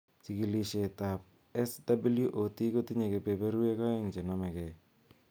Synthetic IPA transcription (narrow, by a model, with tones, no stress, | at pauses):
t͡ʃi˨ki˨li˨ʃe˨ta˨p̚ | ɛ˦sdabi˦lju˦ʔo˨ti˦ko˦ti˦ɲe˨ke˨pe˨pe˦ɾu˦e˦kɔ˦ɛ˦ŋd͡ʒe˨namɛ˨kɛ˨